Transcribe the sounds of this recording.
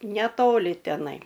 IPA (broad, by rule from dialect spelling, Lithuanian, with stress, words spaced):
nʲɛˈtoːlʲɪ tʲɛˈnɐɪ